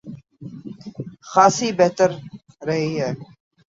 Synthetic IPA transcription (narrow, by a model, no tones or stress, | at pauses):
xaːsiːbɛɦt̪əɾ | ɾɐɦiːɦɛː